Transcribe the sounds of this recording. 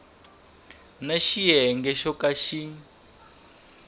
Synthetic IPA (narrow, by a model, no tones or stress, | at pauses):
naʃijɛŋɡɛʃɔkaʃi